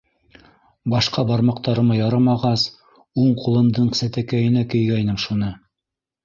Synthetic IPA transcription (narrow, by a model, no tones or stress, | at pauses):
bɑʃqɑbɑɾmɑqt̪ɑɾɤ̆mɑjɑɾɑmɑʁɑs | uɴqulˠɤ̆nd̪ɤɴsæt̪ækæjɘ̆nækɵ̆jɡæjnɘmʃunɤ